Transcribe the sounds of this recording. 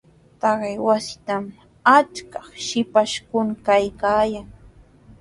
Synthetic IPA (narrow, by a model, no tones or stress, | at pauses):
t̪ɑɢɪjwasɪ̥t̪am | at͡ʃkɑχʃɪpaʃkʊŋkajkaːjaŋ